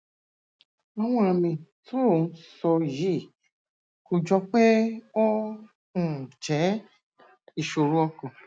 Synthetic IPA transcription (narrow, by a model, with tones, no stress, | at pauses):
ɔ˧w̃ɔ̃˧˦ã˧mĩ˧tu˦o˦˨n̩˦sɔ˧ji˦˨ | ko˧d͡ʒɔ˦k͡pe˦o˦ | ũ˦˨t͡ʃɛ˨˦ | i˦˨ʃo˧˨ɾũ˦ɔ˧kɔ̃˨